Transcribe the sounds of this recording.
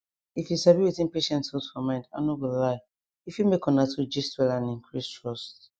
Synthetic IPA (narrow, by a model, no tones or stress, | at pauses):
ifjusaviwiθĩnpeʃɛ̃ntsɔtfɔmãɪ̃nda̰nowillaɪ | ifjumekɔ̃natud͡ʒistwɛlãnĩŋkʰɹistʰɹɔst